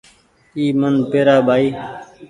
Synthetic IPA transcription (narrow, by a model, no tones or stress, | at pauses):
iːmənpeːɾaːbʱaːiː